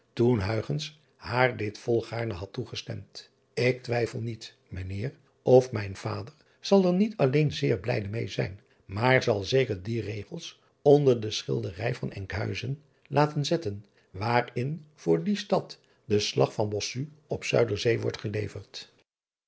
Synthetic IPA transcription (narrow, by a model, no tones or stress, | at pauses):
tunɦœɥχəns | haːɹdɪtfɔlˠχaːɹnəɦɑtːuχəstɛ̰mt | ɪk̚tʋɛjfəlˠnit | mənɪːr | ɔfmɛjnv̥a̰ːdəɹ | z̥ɑlˠəɹnitɑlejnzɪːɹblɛ̰jdəmejzɛ̰jn | maːɹzɑlˠzejkəɹdirejχəlˠs | ɔndəɹdəsχɪ̰lˠdərɛjvɑnɛŋkɦœ̰ɥzən | lʔaːtənzɛtən | ʋaːrɪnv̥ʊːɹdistɑt | dəslɑχfɑnbɔsyɔpsœ̰ɥdəɹzejʋɔ̰ɹtχəlejvəɹt